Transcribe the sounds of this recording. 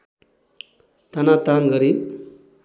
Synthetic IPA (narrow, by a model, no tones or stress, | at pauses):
t̪anat̪anɡʌɾi